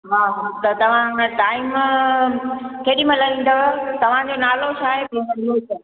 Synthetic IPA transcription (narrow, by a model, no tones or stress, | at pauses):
ɦaːɦat̪ɐt̪ɐʋ̤ãʈaːɪm | keːɗĩmɐ̃lɐĩːn̆d̪ot̪ɐʋ̤ãd͡ʑonaːlot͡ɕʰaːɦebimɐnluːt